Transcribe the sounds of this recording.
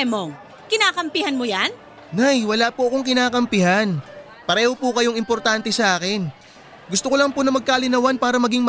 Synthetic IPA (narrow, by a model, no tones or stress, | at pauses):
moŋ | kɪnaːkɐmpɪhanmojan | najwɐlaːpoʔɐko̞ŋkɪnaːkɐmpɪhan | pɐɾɛːho̞pukɐjoŋɪmpo̞ɾt̪ant̪ɛsɐʔaːkɪn | ɡʊst̪okolɐŋponɐmɐɡ̚kaːlɪnɐwanpaːɾɐmɐɡiŋm